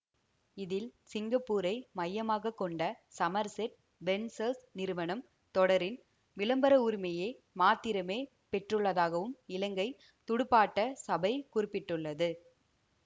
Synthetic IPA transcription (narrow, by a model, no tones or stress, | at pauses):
ɪðɪlsɪŋɡɐpːuːɾɐɪmɐjːɐmaːɣɐkːɔɳɖɐsɐmɐɾsɛʈ̚ | ʋɛnsɐsnɪɾɯʋɐnɐm | t̪ɔɽɐɾɪn | ʋɪlɐmbɐɾɐʊɾɪmɐjeː | maːt̪ːɪɾɐmeː | pɛʈrɯɭːɐðaːɣɐʋɯmɪlɐŋɡɐɪ | t̪ʊɽɯpːaːʈːɐsɐbɐɪkʊɾɪpːɪʈːɯɭːɐðɯ